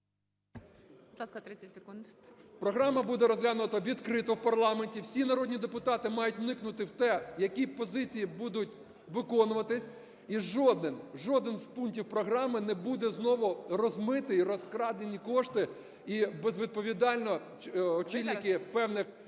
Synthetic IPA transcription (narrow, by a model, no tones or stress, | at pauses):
bd̪lˠɑskɐt̪ɾɪt͡sʲːɛtʲsʲekund̪pɾɔɦɾɑmɐbud̪ɛɾɔzʲɦlʲanʊt̪ɐʋʲid̪kɾɪt̪ɔwpɐrlˠɑmenʲtʲiwsʲinɐɾɔdʲnʲid̪epʊt̪ɑt̪ɪmɑjʊtʲʋnɪknʊt̪ɪwt̪ɛjɐkʲipɔzɪt͡sʲijibud̪ʊtʲ | ʋɪkɔnʊʋɐt̪ɪsʲ | iʒɔd̪ɪnʒɔd̪ɪnzpuntʲiwpɾɔɦɾɑmɪnɛbud̪ɛznɔʋʊrɔzmɪt̪ɪiɾɔskɾɑd̪enʲːikɔʃt̪ɪ | ibezʋʲid̪̚pɔʋʲid̪ɑlʲnɔ | ɔt͡ʃilʲnɪkɪpɛwnɪx